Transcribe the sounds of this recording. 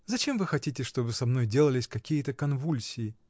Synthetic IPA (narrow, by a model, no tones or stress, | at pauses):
zɐt͡ɕe̞mvɨxɐtʲitʲɪʂt̪o̞bɨsɐmno̞jdʲe̞lˠəlʲɪsʲkɐkʲijət̪əkɐnvulʲsʲɪɪ